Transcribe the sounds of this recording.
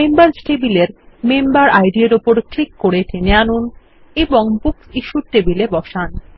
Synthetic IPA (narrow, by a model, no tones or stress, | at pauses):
membaɾsʈebileɾmembaɾajɖieɾopoɾklikːoɾeʈʰeneanun | eboŋbuksiʃuɾʈebilebɔʃan